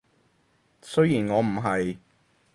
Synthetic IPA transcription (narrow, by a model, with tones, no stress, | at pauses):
sɵ˥ɥjiː˨˩nŋɔː˨˧m̩˨˩ɦɐ˨j